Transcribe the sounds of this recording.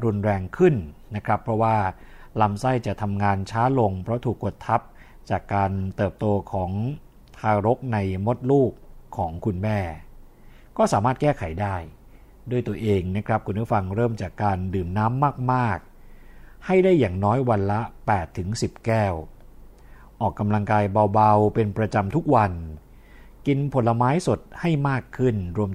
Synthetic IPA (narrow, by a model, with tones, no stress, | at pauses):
ɾu˧nɾɛː˧ŋkʰɯ˥˩nna˦˥kʰɾa˦˥pʰɾɔ˦˥waː˥˩ | la˦˥msa˥˩jt͡ɕa˨˩t̪ʰa˧mŋaː˧nt͡ɕʰaː˦˥lo˧ŋpʰɾɔ˦˥t̪ʰuː˨˩kːo˨˩t̪ʰːa˦˥p̚ | t͡ɕaː˨˩kːaː˧nt̪ɤː˨˩p̚t̪oː˧kʰɔː˩˦ŋ | t̪ʰaː˧ɾo˦˥k̚na˧jmo˦˥t̪̚luː˥˩kʰːɔː˩˦ŋkʰu˧nmɛː˥˩ | kɔː˥˩saː˩˦maː˥˩t̪̚kɛː˥˩kʰa˩˦jdaː˥˩j | du˥˩jt̪u˧əʔeː˧ŋna˦˥kʰɾa˦˥p̚kʰu˧npʰu˦˥˩fa˧ŋɾɤː˥˩mt͡ɕaː˨˩kːaː˧ndɯː˨˩mnaː˦˥mːaː˥˩k̚maː˥˩k̚ | ha˥˩jdaː˥˩jːaː˨˩ŋnɔː˦˥jwa˧nla˦˥pɛː˨˩t̪ʰːɯ˩˦ŋsi˨˩p̚kɛː˥˩w | ʔɔː˨˩kːa˧mla˧ŋkaː˧jba˧wba˧wpe˧npɾa˧t͡ɕa˧mt̪ʰu˦˥k̚wa˧n | ki˧npʰo˨˩˦nla˧maː˦˥jso˨˩t̪̚ha˥˩jmaː˥˩kʰːɯ˥˩nɾu˧əm